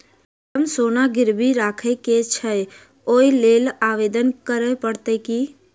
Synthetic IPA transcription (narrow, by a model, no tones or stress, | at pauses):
t̪əmsonaɡɪɾbiɾakʰəket͡ʃʰə | oilelaʋed̪ənkəɾəpəɽt̪əki